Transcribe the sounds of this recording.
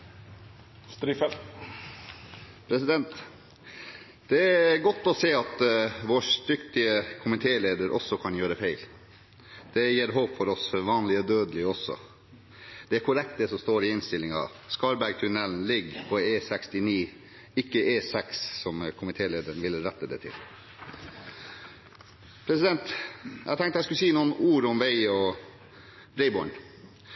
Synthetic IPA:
st̪ɾifɛlt̪ | pʰɾɛsɪd̪ɛnt̪ | d̪̥ɛæɾɡɔt̪ːɔseːɑt̪ʋoːʂt̪ʏkt̪ɪəkʰʊmɪt̪ʰeːleːd̪əɾʔɔ̰sːɔkʰɑnjøːɾəfæɪl | d̪̥ɛjeːɾɦoːpfɔɾɔsfɔɾʋɑːnlɪɔd̪øːd̪əlɪɔsːɔ̰ | d̪ɛæɾkʰʊɾɛk̚t̪̚d̪ɛsɔmst̪oːɾɪɪnst̪ɪlːɪŋɑ̰ | skɑɾbæɾɡ̚t̪ʰʉnɛln̩lɪɡpʰɔeːsɛkst̪ɪniː | ɪkːəʔeːsɛkssɔmkʰʊmɪt̪ʰeːleːd̪əɾnʋɪlɾɛt̪ːəd̪ɛ̰t̪ʰɪ̰l | pʰɾɛsɪd̪ɛnt̪æt̪ʰɛŋkt̪ɛɪskʉlsiːnuːənuːɾɔmʋæɪɔ | ɾɛɪbɔɳ

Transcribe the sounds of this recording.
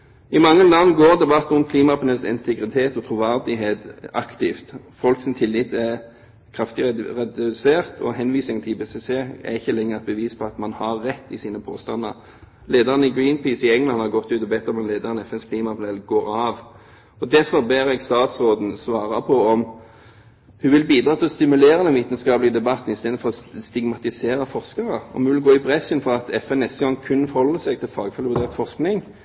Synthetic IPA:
ɪmɑŋːənlɑŋːɡoːʁd̪ɛbɑt̪ːɔmkʰliːmɑpənəsɪ̰nt̪ʰɛɡɾɪt̪ʰeːt̪ɔt̪ʰʁuːʋæʁd̪ɪɦeːt̪ɑkt̪ɪft̪fɔlksɪnt̪ʰɪlːɪt̪æ | kʰʁɑft̪ɪʁɛd̪seːʁt̪ʰɔ̰ɦɛnʋiːsɪŋt̪ʰɪbeːseseːæ̰ʁɪçːəlɛŋːəʁɛt̪̚bəʋiːspʰɔɑt̪mɑnhɑɾːɛt̪ːɪsiːnəpʰoːst̪ɑnːə̰ʁ | leːd̪əʁənəɪɡɾiːnpiːsɪɛŋlɑnhɑʁɡɔt̪ːʉːt̪ɔbɛt̪ːɔmɛnleːd̪əʁənɛfɛnskʰliːmɑpʰʊnɛlɡoːɾɑːʋ | ɔd̪æɾfɔʁbæːɾɛɡst̪ɑːt̪sʁoːd̪n̩sʋɑːɾɑpʰɔɔm | hʉːʋɪlbiːd̪ɾɑːt̪ɪlɔst̪ɪmʉleːɾənɛʋiːt̪ən̩skɑːpləɡəd̪ɛbɑt̪ːn̩ɪst̪eːd̪fɔʁɔst̪ɪɡmɑt̪ɪseːɾəfɔʁskɑɾəɔ̰mhʉʋɪlɡoːɪpʰʁɛsənfɔɾɑt̪ʰɛfɛnːɛst̪əɡɑŋkʰʉnːəfɔɾhɔlːəsɛɡ̚t̪ʰɪlfɑːɡfœlʋʉʁd̪eːʁt̪fɔʁsknɪŋ

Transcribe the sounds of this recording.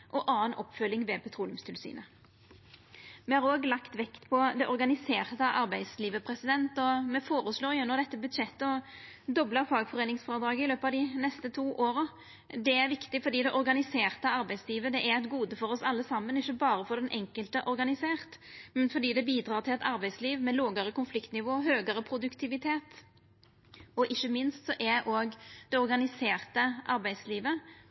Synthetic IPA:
ʔɔʔɑːənʔɔpːfœlːɪŋʋɛpʰɛt̪ʰɾuːlɪʉmst̪ʰɪlsy̰ːnə | mɛhɑːʁoːɡlɑkt̪ʋɛkt̪pʰɔd̪ɛʔɔʁɡɑnɪseːʁt̪əʔɑɾbæɪd̪sliːʋəpʰɾɛsɪd̪ɛnt̪ɔmɛfoːɾəsloːɾjʊnːɔd̪ɛt̪ːəbʉd̪ʂɛt̪ːəɔ | d̪ɔbləɾfɑːɡfɔʁeːnɪŋsfɔʁɑːd̪ɾɑːɡəɪløːpəɑʋd̪ɪnɛst̪ət̪ʰuːʔoːɾə | d̪ɛæɾʋɪkt̪ɪfɔɾd̪iːd̪ɛʔɔɾɡɑnɪseːʁt̪əɑɾbæɪsliːʋəd̪ɛʔæɾɛt̪ɡuːd̪əfɔɾɔsɑlːəsɑmːənɪçːəbɑːɾəfɔd̪ɛnʔɛŋkəlt̪əʔɔɾɡɑnɪseːʁt̪mɛnfɔɾd̪iːd̪ɛbiːd̪ɾɑːʁt̪ɪlɛt̪ɑɾbæɪsliːʋmɛloːɡəɾəkʊnflɪkt̪nɪʋoːɦøːɡəɾəpʰɾʊd̪ʉkt̪ʰɪʋɪt̪ʰeːt̪ | ɔʔɪçːəmɪnst̪sɔʔæʔoːɡd̪̥ɛɔɾɡɑnɪseːʁt̪əʔɑɾbæɪd̪sliːʋə

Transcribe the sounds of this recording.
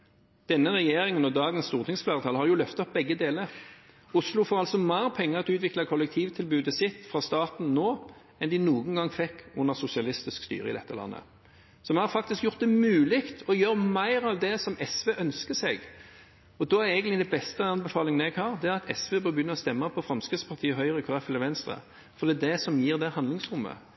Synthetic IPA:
d̪̥ɛnːəʁɛjeːɾɪŋənɔd̪ɑːɡənst̪uːʁt̪ɪŋsflæːʁət̪ʰɑːlhɑɾjʊlœft̪ɔp̚bɛɡːəd̪eːləɾ | ʊslʊfoːɾɑlsɔmæɪɾpʰɛŋːəʁɑt̪ʉːt̪ʋɪklɑkʰɔlɛk̚t̪ʰiːʋt̪ʰɪlbʉːd̪əsɪt̪fʁɑːst̪ɑːt̪n̩noː | ɛnd̪ɪnuːɡəŋ̩ɡɑŋfɛkːʊnːəsʊsɪɑlɪst̪ɪskst̪y̰ːɾə̰ɪ̰lɛ̰t̪ːəlɑ̰nːə̰ | sɔmɛnhɑɾfɑk̚t̪ɪskjʊʁt̪̚d̪ɛmʉːlɪkt̪ɔjøːɾmæɪɾɑʋd̪ɛsɔmɛsʋeːʔœnskəsɛɡ | ɔd̪ɔːæɾɛɪɡənt̪ɪd̪ɛbɛst̪əɑnbɛfɑːlɪŋən̩ɛɡhɑːɾd̪ɛæɾɑt̪ʰɛ̰sʋeːbɑbjʏnːəʁɔst̪ɛmːəpʰɔfɾɑmskəspʰɑʁt̪ʰiːəɦœʏʁəɪkʰʊːʁɛfɛləɾʋɛnst̪ɾʁə̰ | fɔɾʁd̪iːd̪ɛsɔmjiːʁd̪ɛhɑnd̪lɪŋsɾʊmːə̰

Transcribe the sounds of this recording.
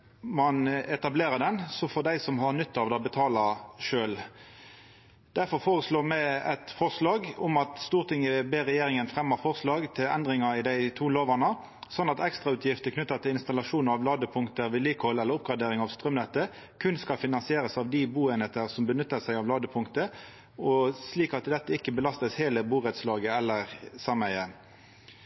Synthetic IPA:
mɑnɛt̪ɑbleːʁəd̪ɛnsɔfɔʁd̪æɪsɔmhɑʁnʏt̪ːɑʋd̪ɛɔbət̪ʰɑːlɑʂøːl | d̪̥æɾfɔɾfoːʁəsloːmæɛt̪fɔʁslɑːɡʊmɑt̪st̪uːʁt̪ʰɪŋəbeːɾɛjeːɾɪŋənfʁɛmːəʁfɔʁslɑːɡt̪ʰɪlɛ̰nd̪ʁɪŋɑɪd̪æɪt̪ʰuːloːʋɑnə | sɔnːɑt̪ɛkst̪ʁɑʉːt̪ʰjɪft̪əkʰnʏt̪ːət̪ʰɪlɪnst̪ɑlɑʂuːnəɑʋlɑːd̪əpʰʊŋkt̪əʋɪliːkəhɔlːɛlːəɾʊp̚ɡʁɑd̪eːɾɪŋɑʋst̪ʁœmnɛt̪ːə | kʰʉnskɑlfɪnɑnsɪeːʁəsɑʋd̪ɪbuːeːnheːt̪əʁsɔmbənʏt̪ːəsæɪɑʋlɑːd̪əpʰʊŋkt̪ə | ɔsliːkɑt̪d̪ɛt̪ːəɪkːəbəlɑst̪əsheːləbuːʁɛt̪slɑːɡəɛlːəʁsɑmæɪə

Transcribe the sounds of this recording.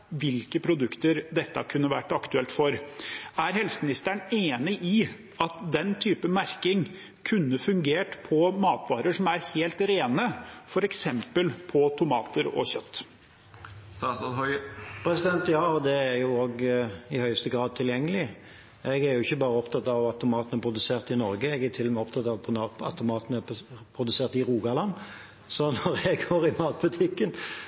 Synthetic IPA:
ʋɪlkəpʰɾʊd̪ʉkt̪əɾd̪ɛt̪ːɑ̰kʰʉnːəʋæʈːɑkt̪ʉɛlt̪fɔɾæɾhɛlsəmɪnɪst̪æɳeːnɪʔɪ | ɑt̪d̪ɛnt̪ʰyːpəmæɾkɪŋ | kʰʉnːəfʉŋɡeːʈpʰɔmɑːt̪ʋɑːɾəʂɔmæɾheːlt̪ɾeːnəfɔɾɛksɛmpəlpʰɔt̪ʰʊmɑːt̪əɾɔ̰çœt̪ː | hɔpʰɾɛsɪd̪ɛnt̪jɑːɔd̪ɛæjʊoːɡɪhœʏst̪əɡɾɑːd̪̚t̪ʰɪljɛŋːəlɪ | ʔɛɡæɾjʊɪçːəbɑːɾəɔpt̪ʰɑt̪ɑʋɑt̪ʊmɑːt̪ənəpʰɾʊd̪ʉseːʁt̪ɪnɔɾɡəɛɡæt̪ʰɪlːɔmɛɔpt̪ʰɑt̪ɑʋpʰʊɑɑ̰t̪ʊmɑːt̪ənəpʰɾʊd̪ʉseːʁt̪ɪʁuːɡɑlɑnː | sɔnɔɾɛɡoːɾɪmɑːt̪̚bʉt̪ʰɪkːən

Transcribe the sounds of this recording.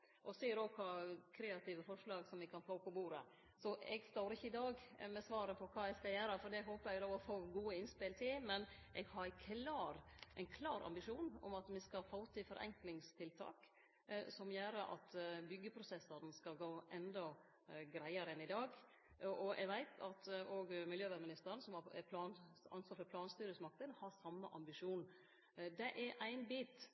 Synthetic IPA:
ʔɔsiːɾɔːkʰɑkʰɾeːɑt̪ʰɪːʋəfɔʂlɑːɡsɔmʋɛkʰɑnfoːpʰɔbuːɾə | sɔɛ̰ɡst̪oːɾɪçːəɪd̪ɑːɡmɛsʋɑːɾəpʰɔkʰɑːɛɪɡskɑjæːɾəfɔɖ̪ɛɦoːpəɾɛɡloːʋɔfoːɡuːəɪnspɪlt̪ʰɪmɛnʔɛɡhɑɾkʰlɑːɾʔɛɪnkʰlɑːɾɑ̰mbɪʂuːnɔ̰mɑt̪mɪskɑfoːt̪ʰːɪfɔɾʔɛ̰ŋklɪŋst̪ʰɪlt̪ʰɑ̰ːk | sɔmjøːɾəʔɑ̰t̪bʏɡːəpʰɾʊsɛsɑɾnskɑlɡoːʔɛnd̪ɔ | ɡɾæɪɑɾəɛnɪd̪ɑːɡ | ʔɔʔɛ̰ɡʋæɪt̪ʰɑt̪oːɡmɪljøːʋæɾmɪnɪst̪əɾənsɔmɑɛ̰pʰlɑːnɑnsʋɑːɾfɔɾpʰlɑːnst̪yːɾəsmɑk̚t̪ənhɑɾsɑmːəʔɑmbɪʂuːn | d̪ɛʔæɾʔæɪnbiːt̪

